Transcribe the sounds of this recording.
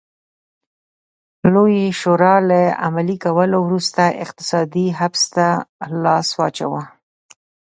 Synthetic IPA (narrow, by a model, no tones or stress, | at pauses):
lojeʃoɾɑləa̰malikawəlowɾust̪aʔɪ̰qt̪ɪ̥sɑd̪iɦafst̪alɑswɑt͡ʃa̰wa